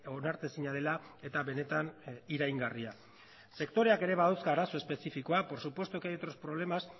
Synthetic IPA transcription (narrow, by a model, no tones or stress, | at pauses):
onaɾt̪e̞siɲaðe̞lae̞t̪aβe̞ne̞t̪aniɾajŋɡaria | se̞kt̪o̞ɾe̞ake̞ɾe̞βaðawskaːɾaso̞espe̞sifiko̞apo̞ɾsupwest̪ukeet̪ɾo̞spɾo̞β̞le̞mas